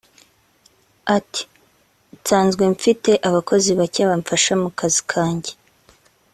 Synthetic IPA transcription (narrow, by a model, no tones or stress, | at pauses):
ati̥ | taːnzɡweɱfite̞ʔaβakʰo̞ziβacaβaɱfaʃamukʰazi̥kʰaːɲɟe